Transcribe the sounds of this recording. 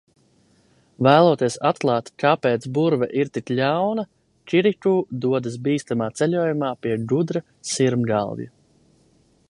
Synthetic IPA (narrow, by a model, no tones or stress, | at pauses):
væːlˠuːt̪iɛsat̪klˠaːt̪kapeːt̪sbuɾvɛ̰ʔiɾt̪iklʲawnɐ | t͡ʃiɾikuːd̪uɔd̪asbiːst̪amaːt̪sɛlʲuɔjumaːpiɛɡud̪ɾa | siɾmɡa̰lˠvjṵ